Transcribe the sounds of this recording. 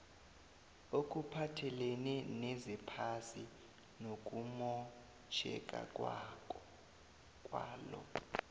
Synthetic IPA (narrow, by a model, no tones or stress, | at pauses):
ok̬ʼupʰatʰɛlɛnɛnɛzɛpʰasi | nok̬ʼumɔ | t͡ʃʰɛ̰kʼa̰ | kʼwa̰ːlɔ̰